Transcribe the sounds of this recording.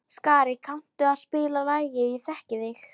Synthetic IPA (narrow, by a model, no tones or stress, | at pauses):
skaːɾɪkʰawn̥t̪ʏaðspɪːlalaːjjɪiθɛhcɪðɪx